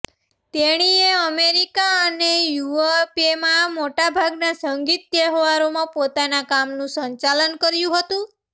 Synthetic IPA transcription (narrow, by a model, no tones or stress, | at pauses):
t̪eɽ̃ieəmeɾikaənejuepemãmoʈabʱaɡnasəŋɡit̪̚ːeɦʋaɾomãpot̪anakamnũsəɲt͡ʃalənkəɾjũɦət̪ũ